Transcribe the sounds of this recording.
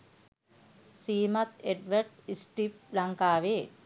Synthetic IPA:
siːmat̪eɖʋəɾɖisʈip̚laŋkaːʋeː

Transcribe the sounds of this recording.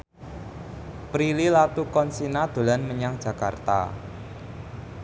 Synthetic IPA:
pɾililat̪ukɔnsinad̪̥o̤lanməɲaŋd̥ʒ̥ä̤kart̪a̰

